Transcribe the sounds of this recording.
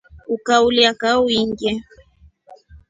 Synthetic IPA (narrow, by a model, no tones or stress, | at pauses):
ukauliakauiŋɡjɛ